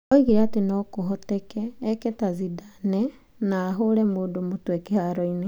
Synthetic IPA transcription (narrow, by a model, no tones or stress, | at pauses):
ɔiɣiɾatenɔkoɦɔtɛkɛːkɛtazidanɛ | naːɦoɾɛmoːdomotwɛkehaɾɔine